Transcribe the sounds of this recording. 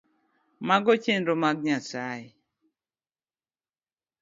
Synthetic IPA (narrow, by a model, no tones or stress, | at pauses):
maɡɔt͡ʃenɾomaɡ̚ɲasaɪ